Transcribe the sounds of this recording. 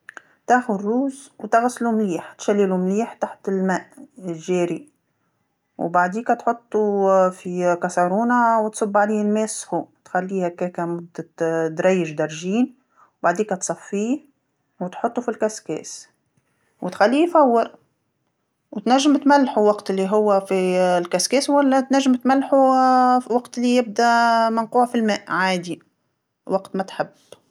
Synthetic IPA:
t̪æxʊd̪ruːzwt̪ɪɣslumliːħt̪ʃælːilumliːħt̪aħt̪ɪlmæːʔʒæːɾi | wbaʕd̪iːkæt̪ħʊt̪ˤːufikɑsɑɾuːnawt̪sˤʊbːʕaliːhɪlmæːshut̪xælːiːhækæːkæmʊd̪ːad̪ɾˤɑjːɪʒd̪ɑɾˤʒiːn | wbaʕd̪iːkæt̪sˤɑfːiː | wɪt̪ħʊt̪ˤːufilkæskɛ̰ːs | wɪt̪xælːiːfawːɪɾ | wt̪næʒːɪmt̪mælːħuwɑqt̪lːiɦʊwːæfilkæskɛːswælːæt̪næʒːɪmt̪mælːħu | wɑqt̪ɪlːijɪb̚d̪æmɪnquːʕfilmæːʔʕaːd̪i | wɑɡt̪mæt̪ħɪbː

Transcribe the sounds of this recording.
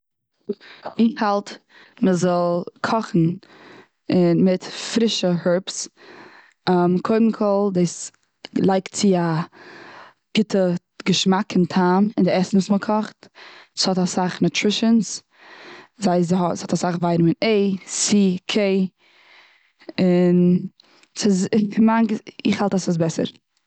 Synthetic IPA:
ɪhalˠt | məzɔlˠkʰɔχn̩ | ɪmɪtfɾɪʃəhʊɹps | mkʰoɪdn̩kʰɔlˠdes | lˠaɪktt͡sɪa | ɡ̥ɪtʰə | ɡəʃmakɪntʰaːmɪndɪɛsn̩sməkʰɔχtshɔtasaχnutʰɾɪʃəns | zaɪsɔshɔtasaχvaɪɾmɪneɪsikʰeɪ | ɪn | sɪsmaŋɡɪχhalˠtasəs̬bɛsə̰ɾ

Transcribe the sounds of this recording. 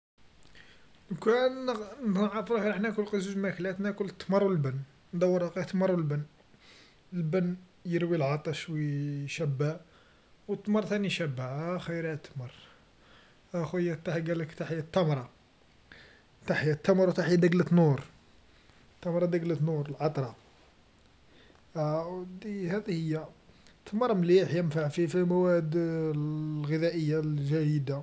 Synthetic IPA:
nkænnʕˤfɾˤɑxiɾɑħnækʊlqəzuʒmæklæt̪nækʊlət̪ˤːmɑɾˤwəlbən | nd̪ˤɑwːəɾˤɑqit̪ːmɑɾˤwəlbənː | əlbənː | jəɾwilʕɑt̪ˤɑʃwiʃæbːa | wət̪ːmɑɾˤt̪æniʃæbːaʕxijɾhæt̪ːmɑɾˤ | ʔæxjːæt̪ːaħɡæləkt̪aħjt̪ːæmɾˤɑ | t̪aħjat̪ːəmɾˤwt̪aħjad̪əɡlət̪nuɾ | t̪ːɑmɾˤɑd̪əɡlət̪nuɾˤəlʕɑt̪ˤɾˤɑ | d̪ihæd̪ihəjːat̪ʰːəməɾˤmliħjənfaʕfifimæwæd̪ | lɣəd̪æʔəjːalʒæjəd̪a

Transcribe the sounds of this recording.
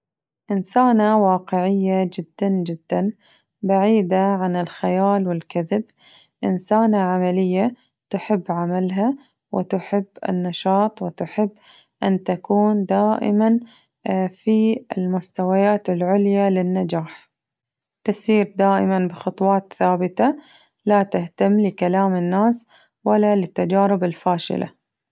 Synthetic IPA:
ʔɪnsaːnawɑːqɪʕɪjːad͡ʒɪd̪ːand͡ʒɪd̪ːan | baʕiːd̪aʕanɪlxajaːlwɪlkaðɪb | ʔɪnsaːnaʕamalɪjːa | t̪ʊħɪbːʕamalɦa | wʔɪ̰t̪ʊħɪbːɪ̰nːɑʃɑːt̪ˤwɪt̪ʊħɪbː | ʔant̪akuːnd̪aːʔɪ̰man | fiɪlmʊst̪awajaːt̪ɪlʕʊljalɪnːad͡ʒaːħ | t̪ɪsiːɾd̪aːʔɪmanbɪxɑt̪ˤwɑːt̪θaːbɪt̪a | lat̪ɪht̪amːlɪkalaːmɪnːaːs | walːalɪt̪ːad͡ʒaːɾɪbɪlfaːʃɪ̰lʔa̰

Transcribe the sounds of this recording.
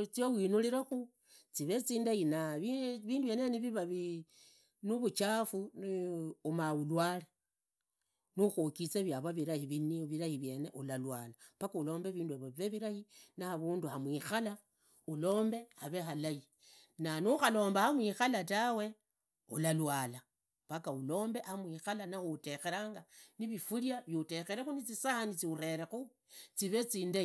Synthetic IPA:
t͡siowinuliɾaxu | t͡siβet͡siːndajinaβiβiːndujeneniβiβaβi | nuβut͡ʃafunumawulwale | nuxokit͡seβjaβaβiɾahiβiniβiɾahiβje̞ne̞ʔulalwalapakuːlo̞ːmbeβiːndueβoβiβeβiɾahinaːβuːnduhamwixala | ulo̞ːmbe̞aβe̞xalai | nanuxalo̞ːmbahamwixalatawe̞ | ṵlalwala | pakaulo̞ːmbe̞ʔamwixalanaxute̞xe̞ɾaːŋɡaniβifuljaβjute̞xeɾexunit͡sisahanit͡siuɾe̞ɾexu | t͡siβe̞t͡siːnde

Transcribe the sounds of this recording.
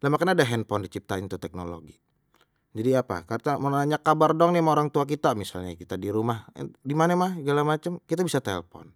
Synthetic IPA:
lamakanadaɦɛnpɔndit͡ʃip̚t̪aint̪ut̪ɛk̚no̰lo̰ɡi | d͡ʒadiapa̰kart̪amanaɲakabardɔŋnɪmaoɾaŋt̪uak̬it̪amisa̰lɲa̰kit̪adiɾumahdimanamahɡalamat͡ʃəmkit̪abisat̪ɛlpɔ̰n

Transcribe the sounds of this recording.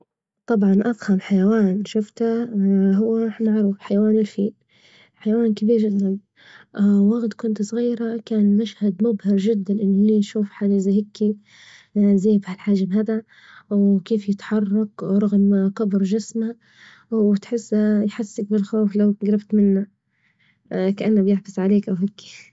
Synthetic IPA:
t̪ˤɑbʕɑnʔafhamħajawaːnʃʊft̪aɦʊwːamaʕɾuːfħajawaːnɪlfiːl | ħajawaːnkabiːɾʒɪd̪ːanː | aɣd̪kʊnt̪sˤɣiːɾakaːnɪmaʃhad̪mʊbhɪɾˤʒɪd̪ːanʔɪnːliːnʃuːfħaːd͡ʒaʔzahɪkʰːi | zeːbhalħaːʒabɦad̪a | wkeːfjɪt̪ħɑrˤːɑkɾˤɑɣmqɑbɾʒɪsma | t̪ħɪsːjħasːɪk̚bɪlxoːflawɡɾɪbt̪mɪnːa | kaʔanːabjɪħbɪsʕaleːkʔawɦɪkːi̥

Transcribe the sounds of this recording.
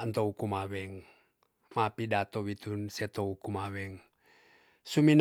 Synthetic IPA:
nt̪oukumawɛŋ | mapidat̪owit̪unsɛt̪oukumawɛŋ | sumin

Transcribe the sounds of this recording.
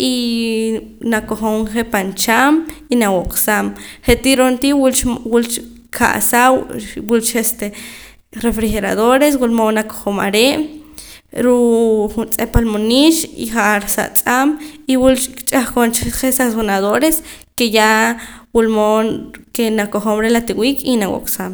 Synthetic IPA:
i | nakoχoŋɴχepant͡ʃaminawoqsamχet̪iɾont̪iwult͡ʃwult͡ʃ | kʰa̰ʔsawwult͡ʃest̪e | ɾefɾixeɾaðoɾeswulmonako̥χoma̰ɾeʔ | ɾuʔχunt͡sʼepalmoniʃḭχaʔɾsa̰ʔt͡sʼamiwulkt͡ʃʼaχkont͡ʃχesaonaðoɾeskejawulmonkenakoχomɾelat̪iwiːkʼinawo̰kʼsam

